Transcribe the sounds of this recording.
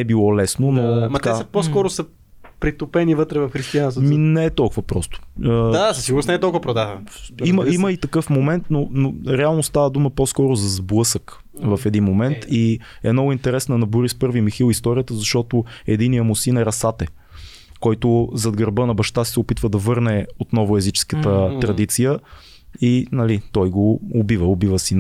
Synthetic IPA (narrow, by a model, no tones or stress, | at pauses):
nɛbilˠɔlɛsnonomɐt̪ɛasɐposkɔɾʊsə | pɾit̪opɛnivət̪ɾɛvɐfxɾist̪ianst̪minɛːt̪ɔlˠkʊvəpɾɔst̪ʊ̥əd̪asəsiɡʊɾnsnɛt̪ɔlˠkʊvɐpɾod̪aviməiməit̪ɐkɤfmomɛnt̪nonoɾɛalˠnost̪avəd̪uməposkɔɾʊzɐzblˠɤsək | vɐfɛd̪inmomɛnt̪ʰi | ɛ̰mnɔɡʊint̪ɛɾɛsnənɐbuɾispɤɾvimixilˠist̪ɔɾijət̪əzɐʃt̪ɔt̪oɛd̪inijəmʊsinɛɾɐsat̪ɛ | kɔjt̪ʊzɐd̪ɡəɾbənɐbɐʃt̪asi̥sɛopit̪vəd̪ɐvɤɾnɛot̪nɔvʊɛzit͡ʃɛ̥skət̪ət̪ɾɐd̪it̪sijə | inɐlit̪ɔjɡoːbivəobivəsi